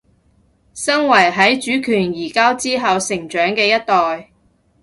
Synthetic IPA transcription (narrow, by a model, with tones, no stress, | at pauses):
sɐ˥ŋwɐ˨˩jɦɐ˨˥jt͡ʃyː˨˥kʰyː˨˩njiː˨˩kaː˥wt͡siː˥ɦɐ˨wsɪ˨˩ŋt͡ʃœː˨˥ŋkɛː˧jɐ˥t̚t̪ɔː˨j